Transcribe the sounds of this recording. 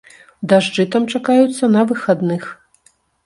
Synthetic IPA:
ud̪aʐd͡ʐɨt̪amt͡ʂakajut̪sːɐnɐvɨxad̪nɨx

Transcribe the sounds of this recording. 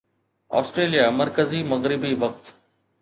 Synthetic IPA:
ɔ̰ːsʈɾeːlijamɐɾkəzimɐɣɾɪbiʋɐk̚t̪

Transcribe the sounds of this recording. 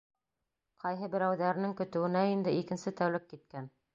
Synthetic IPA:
qʰɑjɦɤbɘ̆ɾæwðæɾ̆nɘŋkɵ̆t̪ɘ̆wɘ̆næind̪ɘikɘ̆nsɘt̪æwlɘp̚kit̪̚kæn

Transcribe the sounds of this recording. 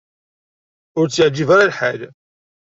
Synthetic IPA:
ʊɾt͡sːəʕd͡ʒivaɾalħal

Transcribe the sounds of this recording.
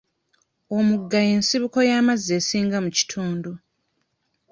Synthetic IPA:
o̞muɡːaje̞ːnsiβuko̞jaːmaze̞siːŋɡamuci̥tʰuːndu

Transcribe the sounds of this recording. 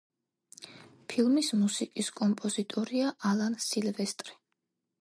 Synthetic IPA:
pʰilˠmismusikʼiskʼɔmpʼɔzit̪ʼɔɾiaʔalˠansilvɛst̪ʼɾi

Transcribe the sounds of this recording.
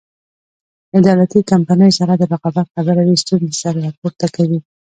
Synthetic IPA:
ɪd̪ɑlat̪ikampanəjsaɾad̪əbaɣɑbat̪xabəɾawist̪unzesaɾaɾɑpoɾt̪akawi

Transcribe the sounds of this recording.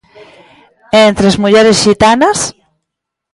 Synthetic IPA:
ent̪ɾezmuʝeɾesxit̪anas

